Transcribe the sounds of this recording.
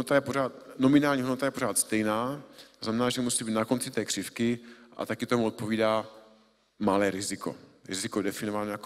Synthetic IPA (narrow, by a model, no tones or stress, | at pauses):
not̪ajɛpoɾaːt̪nomɪnaːlɲiːɦdnot̪ajɛpo̞ɾaːt̪st̪ɛjnaːt̪oznamɛnaːʒɛmusibiːt̪nako̞nt͡sɪt̪ɛːkr̥ɪfkɪʔa̰t̪akɪt̪omuot̪̚poviːdaː | malɛːɾɪzɪko̞̰ɾɪ̰zɪkodɛfɪnovanojak